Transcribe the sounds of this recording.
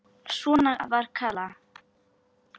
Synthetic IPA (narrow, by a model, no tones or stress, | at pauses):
sunaavaɾkʰala